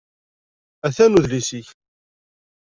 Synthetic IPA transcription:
æθænuðlisiç

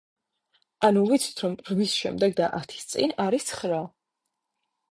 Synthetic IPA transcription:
anuvit̪sʰi̥t̪ʰɾɔmɾmisʃɛ̰md̪ɛɡd̪aʔat̪ʰi̥st̪sʼḭnaɾisʰχɾa

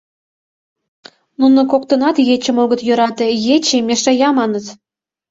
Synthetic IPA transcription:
nunŏkok̚t̪ɤ̆nɑt̪jet͡ɕə̆moɣə̆t̪jø̆ɾɑt̪ejet͡ɕemʲeʃɑjɑmɑnɤ̆t̪

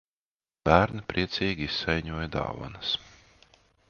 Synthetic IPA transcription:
b̥æːɾnipɾʔiɛt̪sʲiːɡʲiisːɛjɲuɔjad̪ɑ̰ːva̰nɐs

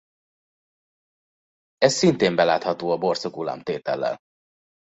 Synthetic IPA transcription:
ɛssint̪eːmbɛlaːt̪hɒt̪oːɒbo̞rsokula̰ːmt̪eːt̪ɛ̰lːɛ̰l

